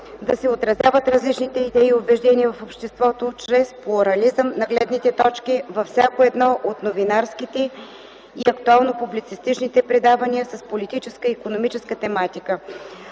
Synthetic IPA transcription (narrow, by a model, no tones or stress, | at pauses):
d̪ɐsɛot̪ɾɐzʲjavət̪ɾɐzlit͡ʃnit̪ɛid̪ɛiobɛʒd̪ɛniəvɐfopʃt̪ɛst̪vɔt̪ot͡ʃɾɛsplˠʊɾɐlizəmnɐɡlɛd̪nit̪ɛt̪ɔt͡ʃkivɐfsʲakoɛd̪nɔʔot̪novinaɾskit̪ɛ | iɐkt̪ualˠnopublit̪sist̪it͡ʃnit̪ɛpɾɛd̪avɐniəsɐspolit̪it͡ʃɛskəikonomit͡ʃɛskət̪ɛmat̪ikə